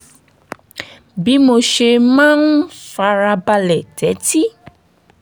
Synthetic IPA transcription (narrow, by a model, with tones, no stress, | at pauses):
bi˦mo˨ʃe˧mã˦nũ˦sa˧ɾa˧ba˧lɛ˨tɛ˨˦ti˦